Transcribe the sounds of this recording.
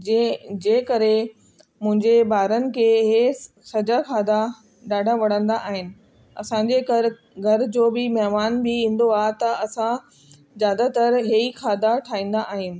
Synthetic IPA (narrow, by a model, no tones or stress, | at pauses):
d͡ʑẽːkɐɾe | mʊ̃ɦɪ̃ɲd͡ʑebaːɾənɪ̆kʰeːɦe | sɐd͡ʑakʰaːd̪a | ɗaːɖʱãʋɐɽ̤ə̃nd̪aʔaːɦɪnɪ̆ | ɐsãɲd͡ʑekɐɾɪ | ɡʱɐɾd͡ʑoːbɪmɐɦmaːnbɪĩːn̆d̪oaːɦt̪ɐʔɐsã | zjaːd̪at̪əɾɦeixʰaːd̪aʈʰaːĩːn̆d̪aʔaːɦɪnɪ̆